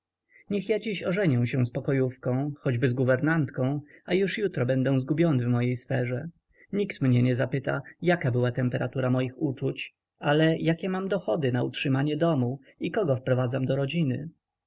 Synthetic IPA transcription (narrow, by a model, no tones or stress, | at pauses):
ɲɛxjad͡ʑiɕɔʐɛɲɛw̃ɕɛw̃spɔkɔjufkɔ̃w̃xɔd͡ʑbɘzɡuvɛɾnant̪kɔ̃w̃ajuʂjut̪ɾɔbɛnd̪ɛw̃zɡubʲjɔnɘvmɔjejsfɛʐɛ | ɲikt̪mɲɛɲɛzapɘt̪a̰jakabɘwat̪ɛmpɛɾat̪uɾamɔjixut͡ʂut͡ɕ | alɛjakʲɛmamd̪ɔxɔd̪ɘnautʂɘmaɲɛd̪ɔmu | ikɔɡɔfpɾɔvad̪zamd̪ɔɾɔd͡ʑinɘ